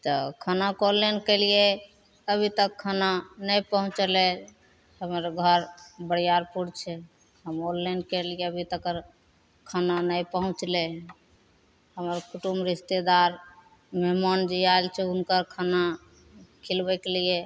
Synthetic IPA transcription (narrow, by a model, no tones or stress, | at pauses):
t̪ɔkʰənakolːenkɛlije | əbʱit̪əkʰːənanəjpəɦũt͡ʃlɛ | həməɾɡʱəɾbəɽjaɾpuɽt͡ʃʰɛ | ɦəmolːankelijeəbʱit̪əkəɾ | kʰənanəjpəɦũt͡ʃlɛ | həməɾkuʈumɾist̪ed̪aɾ | meɦmand͡ʒiaelt͡ʃʰɛunkəɾkʰana | kʰilbɛkelije